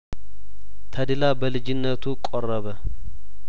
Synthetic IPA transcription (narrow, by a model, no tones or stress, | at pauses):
t̪ʰəd̪ɨlabəlɨd͡ʒɪnːət̪ʰukʼorːəβə